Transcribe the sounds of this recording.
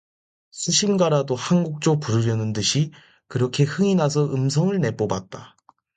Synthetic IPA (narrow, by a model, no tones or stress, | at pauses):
sʰɯɕʰiɭɡaɾadohanɡuk̚t͡ɕ͈opuɾɯɾjʌnɯndɯɕʰi | kɯɾʌkʰe̞hɯŋinas̬ʰʌʔɯmsʰʌŋɯɭne̞p͈obat̚t͈a